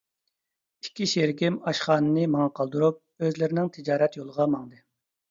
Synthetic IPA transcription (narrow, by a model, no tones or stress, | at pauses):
ikʲʰːiʃeɾkʲɪmɑʃχɑːnɨnɨmɑŋɑqʰɑlˠd̪uɾup̚ | øzlɪɾɪnɪŋt̪ʰɪd͡ʒɑːɾɛt̪jolˠəʁɑmɑŋd̪ɨ